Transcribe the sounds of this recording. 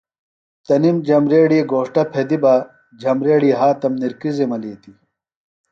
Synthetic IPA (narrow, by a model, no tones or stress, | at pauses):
t̪ɐnimd͡ʑɐmɾeːɽieɡoːʂʈɐpʰed̪iba | d͡ʑʱɐmɾeːɽiɦaːt̪ɐmniɾkizemɐliːt̪i